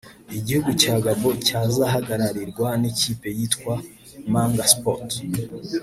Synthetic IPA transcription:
iɟihuɡucaːɡaβo̞caːzaɦaɡaɾaɾiɾɡwaniciːpe̞jiːtkwa | maːŋɡaspot

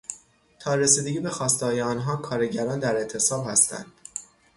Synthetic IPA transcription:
t̪ʰɒːɾesiːd̪eɟiːbe̞xɒːst̪ehɒːjeɒːnɦɒːkʰɒːɾe̞ɟæɾɒːnd̪æɾe̞t̪ʰe̞sɒːbhæst̪æ̰nd̪̥

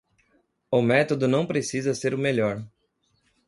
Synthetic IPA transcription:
ʊmɛt̪od̪ʊnɐ̃w̃pɾesizɐseɾʊmeʎɔɾ

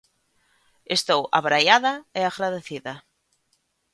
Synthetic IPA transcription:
est̪owa̰βɾajaðɐeaɣɾaðeθiðɐ

